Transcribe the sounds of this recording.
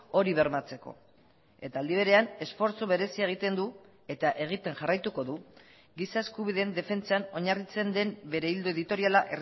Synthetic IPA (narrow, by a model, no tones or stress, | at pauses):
o̞ɾiβ̞e̞ɾmat͡se̞ko̞̰ | e̞t̪aːld̪iβ̞e̞ɾe̞ane̞sfo̞ɾt͡soβe̞ɾe̞siaeɣ̞it̪e̞nd̪u | e̞t̪aʔe̞ɣ̞it̪e̞nʝarajt̪uko̞ðu | ɡisaeskuβ̞iðe̞nd̪e̞fe̞nt͡sano̞ɲarit͡se̞nd̪e̞mbe̞ɾe̞ild̪oe̞ðit̪o̞ɾialaʔer